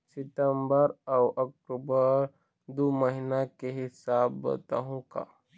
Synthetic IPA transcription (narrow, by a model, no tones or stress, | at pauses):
sɪtəmbəɾawʔɐk̚ʈubəɾ | d̪oməɦinakeɦɪsaːbbə̰t̪aɦũka̰ː